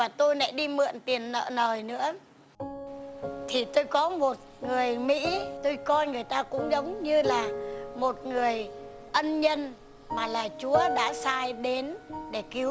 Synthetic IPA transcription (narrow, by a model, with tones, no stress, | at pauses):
vaː˨˩t̪o˧jna̰˧˥ɗi˧mɨ̰˧˨ənt̪i˨˩ənːə̰ː˧˨nəː˨˩jnɨ̰˧˥ə | t̪ʰi˨˩t̪o˧jkɔ˨˦mo˨˩t̚ŋɨ˨˩əjmḭ˧˥t̪o˧jkɔ˧jŋɨ˨˩əjt̪aː˧kʊ̰˧˥ŋ͡mzə˨˦wŋ͡mɲɨ˧laː˨˩mo˨˩t̚ŋɨ˨˩əj | ʔə˧nɲə˧n | maː˨˩laː˨˩t͡ɕu˨˦əɗa̰ː˧˥saː˧jɗe˨˦nɗe˧˩ki˨˦